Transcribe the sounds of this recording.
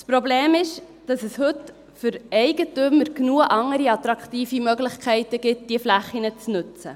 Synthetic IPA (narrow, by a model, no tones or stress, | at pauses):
spɾobleːmɪʃ | d̥ɑsɛshɵt | fʏɾɛɪɡətʏmːəɾknuːəʔɑŋːəɾiɑt̪ɾɑkχtiːfimœɡlɪχkʰɛɪtəɡ̥ɪt̚d̥iəflæχːinət͡snʉt͡sə